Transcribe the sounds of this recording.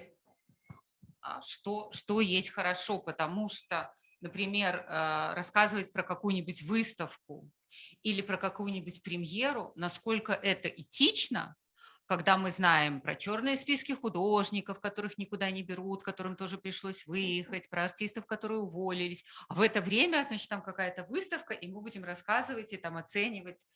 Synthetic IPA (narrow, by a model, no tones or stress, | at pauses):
a̰ʂt̪oʂt̪ojesʲtʲxəɾɐʂo̞pət̪ɐmuʂt̪o | nəpɾʲɪmʲe̞rəːɐskazɨvətʲpɾəkɐkujʊnʲɪbʊtʲvɨst̪əfkʊ | ilʲɪpɾəkɐkujʊnʲɪbʊtʲpɾʲɪmje̞ɾʊnɐsko̞lʲkəʔɛt̪əʔɪtʲit͡ɕnə̰ | kɐɡd̪amɨznajɪmpɾɐ̰t͡ɕo̞rnɨjəspʲiskʲɪxʊd̪oʐnʲɪkəfkɐt̪o̞ɾɨxnʲɪkʊd̪anʲɪbʲɪɾut̪kɐt̪o̞ɾɨmt̪o̞ʐɨpɾʲɪʂlˠosʲvɨjɪxətʲpɾəɐrtʲist̪əfkɐt̪o̞ɾɨjʊvolʲɪlʲɪsʲɐvɛt̪əvɾʲemʲəznat͡ɕɪt̪amkɐkajət̪əvɨst̪əfkəʔimɨbudʲɪmrɐskazɨvətʲɪt̪amɐt̪sɛnʲɪvətʲ